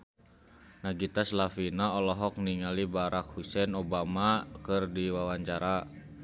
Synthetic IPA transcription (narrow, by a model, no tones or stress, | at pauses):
naɡit̪aslafinaɔlɔɦɔk̚niŋalibaɾak̚husɛnobamakɨrdiwawaɲt͡ʃaɾa